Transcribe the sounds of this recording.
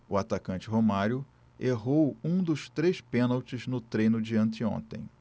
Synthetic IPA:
ʊat̪akɐ̃nt͡ʃɪɦomaɾjʊ | eɦowũd̪ʊʃt̪ɾejspẽnawt͡ʃɪznʊt̪ɾẽjnʊd͡ʒɪɐ̃nt̪ɪõ̰nt̪ḛ̃j̃

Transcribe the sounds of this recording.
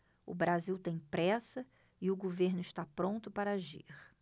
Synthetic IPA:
ʊ̰bɾaziwt̪ẽj̃pɾɛsɐ | ɪʊɡoveɾnʊɪʃt̪apɾõnt̪ʊpaɾɐaʒḭχ

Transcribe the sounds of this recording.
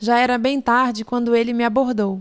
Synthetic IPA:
ʒaɛɾɐbẽj̃t̪aɾd͡ʒɪkwɐ̃nd̪ʊelɪmɪaboɾd̪ow

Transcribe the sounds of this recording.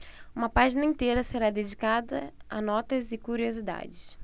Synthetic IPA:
ũmɐpaʒinɐĩt̪eɾɐseɾad̪ed͡ʒikad̪ɐ̰anɔt̪ɐzɪkuɾiozid̪a̰d͡ʒɪs

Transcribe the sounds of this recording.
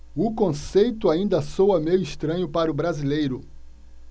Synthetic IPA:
ʊkõsejt̪ʊaĩnd̪ɐsowɐmejʊist̪ɾɐ̃ɲʊpaɾʊbɾazilejɾʊ

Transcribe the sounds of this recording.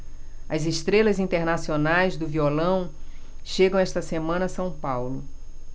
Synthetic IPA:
ɐzeʃt̪ɾelɐzĩnt̪eɾnasionajzd̪ʊviolɐ̃w̃ | ʃeɡɐ̃w̃ɛʃt̪ɐsemɐ̃nɐːsɐ̃w̃pawlʊ

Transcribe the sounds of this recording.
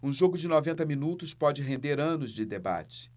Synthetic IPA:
ũʒoɡʊd͡ʒɪnɔvẽnt̪ɐminut̪ʊspɔd͡ʒɪɦẽnd̪eɾɐ̃nʊzd͡ʒɪd̪eba̰t͡ʃɪ̥

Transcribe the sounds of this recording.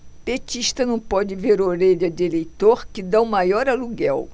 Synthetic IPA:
pet͡ʃiʃt̪ɐnɐ̃w̃pɔd͡ʒɪveɾoɾeʎɐd͡ʒelejt̪oɾkɪd̪ɐ̃w̃majɔɾɐluɡɛw

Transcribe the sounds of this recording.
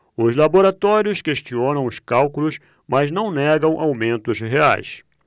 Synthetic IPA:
ʊzlaboɾat̪ɔɾiʊskeʃt͡ʃiõnɐ̃w̃ʊskawkulʊs | maznɐ̃w̃nɛɡɐ̃w̃ʔawmẽnt̪ʊshea̰js

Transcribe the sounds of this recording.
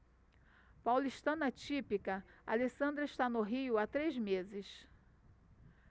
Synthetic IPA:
pawliʃt̪ɐ̃nɐt͡ʃipikɐa̰lesɐ̃nd̪ɾɐɪʃt̪anʊɦiʊat̪ɾezmezɪs

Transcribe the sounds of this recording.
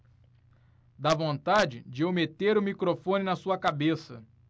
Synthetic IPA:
d̪avõnt̪ad͡ʒɪd͡ʒɪewmet̪eɾʊmikɾofõnɪnɐsuɐkabesɐ̰

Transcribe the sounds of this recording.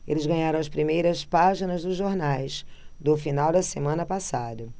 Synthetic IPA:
ḛlɪzɡɐ̃ɲaɾɐ̃w̃ɐspɾimejɾɐspaʒinɐzd̪ʊzʒoɾnajsd̪ʊfinawd̪ɐsemɐ̃nɐpasad̪ɐ

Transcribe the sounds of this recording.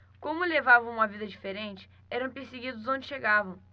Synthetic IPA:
kõmʊlevavɐ̃w̃ũmɐvid̪ɐd͡ʒifeɾẽnt͡ʃɪ̥ | ɛɾɐ̃w̃peɾseɡid̪ʊzõd͡ʒɪʃeɡavɐ̃w̃

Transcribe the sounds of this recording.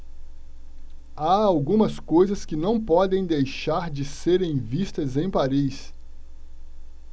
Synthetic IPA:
aawɡũmɐskojzɐskɪnɐ̃w̃pɔd̪ẽj̃d̪ejʃaɾd͡ʒɪseɾẽj̃vist̪ɐzẽj̃paɾis

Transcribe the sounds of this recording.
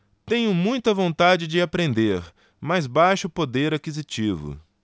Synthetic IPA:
t̪ẽɲʊmũj̃t̪ɐvõnt̪ad͡ʒɪd͡ʒɪapɾẽnd̪eɾ | majzbajʃʊpod̪eɾakizit͡ʃivʊ̰

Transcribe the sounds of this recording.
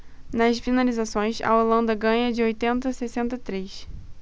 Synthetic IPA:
nɐsfinalizasõj̃sɐ̰olɐ̃nd̪ɐɡɐ̃ɲɐd͡ʒɪojt̪ẽnt̪ɐsesẽnt̪ɐt̪ɾes

